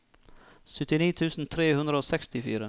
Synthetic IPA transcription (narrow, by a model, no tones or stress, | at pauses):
sʏt̪ːɪniːt̪ʰʉːsn̩t̪ʰɾeːhɵnd̪ɾəoːsɛkst̪ɪfy̰ːɾə